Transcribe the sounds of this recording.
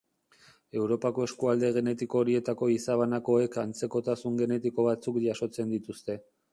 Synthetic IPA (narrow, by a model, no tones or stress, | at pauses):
e̞wɾo̞pako̞e̞skuald̪e̞ɣ̞e̞ne̞t̪iko̞ːɾie̞t̪ako̞isaβ̞anako̞e̞kant͡se̞ko̞t̪asuŋɡe̞ne̞t̪iko̞β̞at͡sukʝaso̞t͡se̞nd̪it̪ust̪e̞